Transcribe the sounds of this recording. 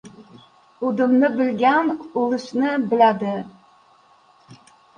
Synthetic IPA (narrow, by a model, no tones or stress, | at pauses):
ud̪ɪmnɪbɪlɡʲanulˠɨʃnɪbɪlad̪ɪ